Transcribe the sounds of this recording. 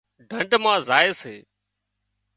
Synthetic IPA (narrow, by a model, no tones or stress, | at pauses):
ɖʱəɳɖmãːzaːeːseː